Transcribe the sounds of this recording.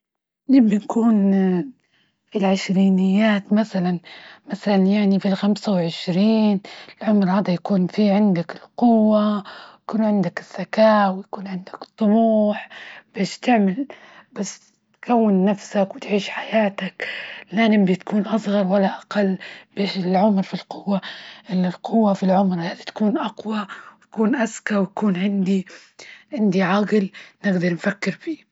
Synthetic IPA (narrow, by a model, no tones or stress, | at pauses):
nɪbbinkuːn | filʕɪʃɾiːnɪjːaːt̪maθalanmaθalanjaʕnifilxamsawʕɪʃɾiːnɪlʕʊmɾhaːd̪ajakuːnfiʕɪnd̪akɪlqʊwːajakuːnʕɪnd̪akɪz̥ːakaːwɪjakuːnʕɪnd̪akt̪ˤːʊmuːħb̥eːʃt̪ɪʕmɪl | bas | t̪kawːɪnːafsakwɪt̪ʕiːʃħajaːt̪aklanɪmbit̪kuːnʔɑsˤɣɑɾˤwalːaʔaqalːb̥eːʃɪlʕʊmɾfilqʊwːaʔɪlːɪlqʰʊwːafilʕʊmɾhaːd̪it̪ḁkuːnʔɑqwawj̪akuːnʔaskawjakuːnʕɪnd̪i | ʕɪnd̪iʕɑɡlnɪɡd̪ɑɾˤnfakːɪɾbiː